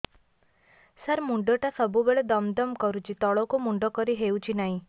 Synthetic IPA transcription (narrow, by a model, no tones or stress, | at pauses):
səɾmuɳɖɔʈasɔbubeɭɔd̪ɔmd̪ɔmkɔɾut͡ʃit̪ɔɭɔkumuɳɖɔkɔɾiɦeut͡ʃinaɦĩ